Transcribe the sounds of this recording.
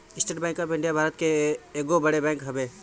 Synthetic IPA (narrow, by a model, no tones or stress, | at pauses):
ɪsʈeʈbɛ̃ːŋkəpɪ̃ɳɖijabʱaːɾət̪keːɡobəɽebɛ̃ŋkɦəbe